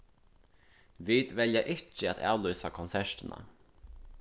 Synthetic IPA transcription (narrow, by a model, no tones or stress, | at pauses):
ʋiːd̪ʋɛljɑʔɪçəɑt̪ʰæ̰ːlʉːsakʰʊnsæʃʈənʔɑ̰